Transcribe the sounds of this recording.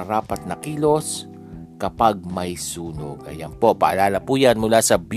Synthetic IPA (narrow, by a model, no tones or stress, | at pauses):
ɐɾaːpɐt̪̚nɐkiːlo̞s | kɐpaɡ̚mɐjsuːno̰ɡʔɐ̰janpo̞pa̰ʔɐ̰laːlɐpuːjanmʊlaːsɐbj